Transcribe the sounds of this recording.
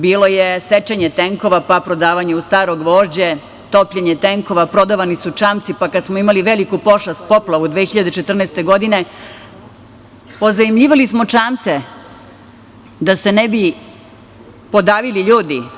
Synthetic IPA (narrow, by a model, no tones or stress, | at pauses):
biːlo̞jeset͡ʃeɲet̪eŋko̞ʋapapɾo̞d̪aːʋaɲeust̪aːɾoɡʋo̞ːʒd͡ʑe | t̪o̞pʎeɲet̪eŋko̞ʋapɾo̞d̪aʋanisut͡ʂaːmt̪sipakad̪smoimaliʋelikupo̞ʃast̪̚po̞plˠaʋud̪ʋeːxiʎad̪et͡ʃet̪r̩nɛːst̪e̞ɡo̞d̪ine̞ | po̞zanimʎiːʋalismot͡ʂaːmt̪se | d̪asenebi | po̞d̪aːʋiliʎuːd̪i